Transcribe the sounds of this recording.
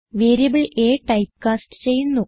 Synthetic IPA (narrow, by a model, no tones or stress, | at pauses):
ʋeːɾijɐbɨɭeːʈɐjp̚kaːsʈɨ̥t͡ɕe̞jːunːu